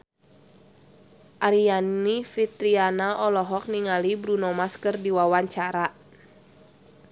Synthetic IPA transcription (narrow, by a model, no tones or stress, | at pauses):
ʔaɾianifit̪ɾianaʔɔlɔɦɔk̚niŋalibɾunɔmaskɨrdiwawaɲt͡ʃaɾa